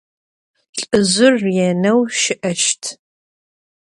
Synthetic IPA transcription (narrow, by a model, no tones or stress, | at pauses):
ɬʼɨzʷʊrjɛnɐwʃɪʔɐʃtʰ